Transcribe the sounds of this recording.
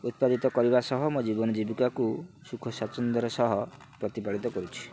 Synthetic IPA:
ut̪̚pad̪it̪ɔkɔɾibasɔɦɔmud͡ʒibɔnɔd͡ʒibikakusukʰɔsat͡ʃɔnd̪ɔɾɔsɔɦɔpɾɔt̪ipaɭit̪ɔkɔɾut͡ʃʰi̥

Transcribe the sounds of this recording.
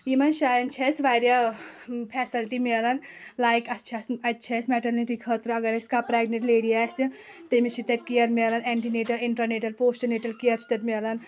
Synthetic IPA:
imɐnʃaːjɐnt͡ʃʰɐsʋaːɾjɐ | pʰɛːsɐlʈimeɐlɐn | laːjkɐt͡ʃʰɐsɐtːt͡ʃʰɐsmɛʈɐɾniʈikʰɐt̪ɾɐɡɐɾɐskapɾɛːɡneʈleːɽiaːsi | t̪ɐmit͡ʃʰit̪ɐt̪kijɐɾmeɐlɐnɛɳʈineʈɐɾiɳʈɾɐneʈɐlpoːsʈɐneːʈɐlkijɐɾt͡ʃʰi̥t̪ɐt̪meɐlɐn

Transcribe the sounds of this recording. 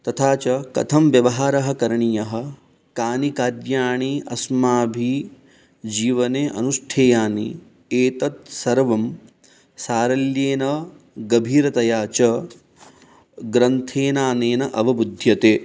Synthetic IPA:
t̪ɐt̪ʰaːt͡ʃɐkɐ̰t̪ʰɐmʋjɐʋɐɦaːɾɐɦɐ̆kɐɾɐɳijɐɦɐ̆ | kaːnikaːɾjaːɳiʔɐ̰smaːbʱi | d͡ʒiːʋɐneːʔɐ̰nuʂʈʰeːjaːnḭ | eːt̪ɐt̪̚sɐɾʋɐm | saːɾɐljeːnɐ | ɡɐbʱiːɾɐt̪ɐjaːt͡ʃɐ | ɡɾɐnt̪ʰeːnaːneːnɐʔɐʋɐbud̪ʱjɐt̪eː

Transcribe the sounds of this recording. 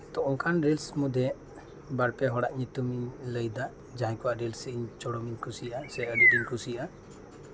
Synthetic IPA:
t̪ɔɔ̃ŋkanɾilsmud̪ʱɛ | baɾpɛɦɔɽaʔɲit̪umiɲləjd̪a | d͡ʒaɦɛ̃kɔwaʔɾilsɛiɲt͡ʃɔɽɔmiɲkʰusijʔasɛəɖiiɲkʰusija

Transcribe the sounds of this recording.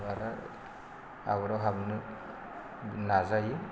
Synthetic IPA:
aɾa | a̰βɔɾawɦabnɯ | nazaji

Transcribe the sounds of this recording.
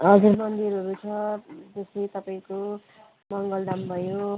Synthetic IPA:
ʌd͡zuɾmʌnd̪iɾɦʌɾut͡sʰʌd͡z̪esit̪ʌpaĩko | mʌŋɡʌld̪ambʱʌjo

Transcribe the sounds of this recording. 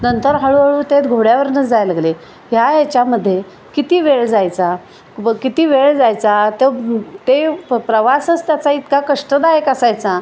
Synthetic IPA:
nənt̪əɾɦəɭuɦaɭuːt̪et̪ɡʱoɽjaʋəɾnət͡sd͡zajlaɡle | ɦjajat͡ɕjaməd̪ʱːje | kit̪iːʋeɭd͡zajt͡sa | kit̪iːʋeɭd͡zajt͡sat̪et̪epɾəʋasət͡st̪jat͡sait̪kakəʂʈəd̪ajəkəsajt͡sa

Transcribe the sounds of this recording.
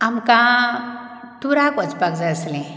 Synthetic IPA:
amkã | t̪uɾakɔt͡spakd͡zaslẽ

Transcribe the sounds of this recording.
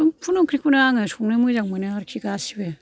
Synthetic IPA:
pʰunɔkʰɾikʰunaaŋɯsuŋnɯmɯjzaŋ̚mɯnɯaɾkʰiɡasibe

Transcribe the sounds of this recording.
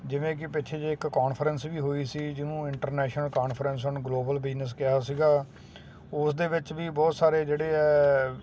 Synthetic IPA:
d͡ʒɪʋẽːk̬ɪpɪt͡ʃʰeːd͡ʒeɪkkaːnpʰəɾənsʋiːɦoːiːsiːd͡ʒɪnũːɪɳʈəɾnɛːʃnəlkaːnpʰəɾəns̬ɔnɡloːbəlbɪd͡ʒnəs̬kɪɦaːsiːɡaː | ʊsd̪eːʋɪt͡ʃʋiːbɔːt̪saːɾeːd͡ʒeːɽeːɛː

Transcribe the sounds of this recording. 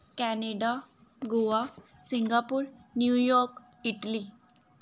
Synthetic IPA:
kæneɖa | ɡoʋasiŋɡapuːɾnjujɔɾkiʈli

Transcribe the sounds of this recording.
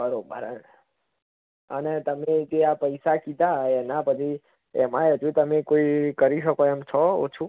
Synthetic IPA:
kəɾobʱəɾə̰n | ənet̪əmed͡ʒeapəjsakid̪ʱaɛnãpəd͡ʒ̪ʰi | ɛmãjod͡ʒũt̪əmekoikəɾiʃəkoɛmt͡ʃʰɔo̰t͡ʃʰu

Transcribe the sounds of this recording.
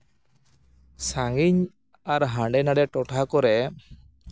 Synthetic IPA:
saŋɡiɲ | aɾɦãɳɖɛnaɖɛʈɔʈʰakɔɾɛ

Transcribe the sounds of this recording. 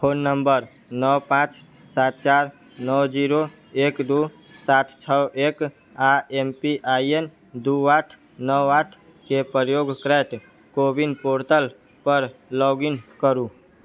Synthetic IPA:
pʰonːəmbəɾ | nəwpãt͡ʃ | sat̪̚t͡ʃaɾ | nəwd͡ʒiɾo | ekd̪u | sat̪ʰt͡ʃʰəʔek | aempiʔaien | d̪uaʈʰ | nəwaʈʰ | kepjoɡkɾɛʈ̪ | kobinpoɾt̪əl | pəɾlɔɡinkəɾu

